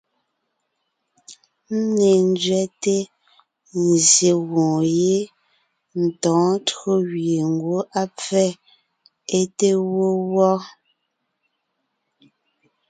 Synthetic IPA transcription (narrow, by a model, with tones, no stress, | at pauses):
m̩˦ne˨n˦d͡ʒɥɛ˦te˦ | n˨zje˨ɣõː˨je˦ | n̩˨tɔ̃ː˨˦tɰo˦ɣɥe˨ŋ˨ɡwo˦ʔa˦p͡fɛ˦˨ | e˦te˦wo˦wɔ˦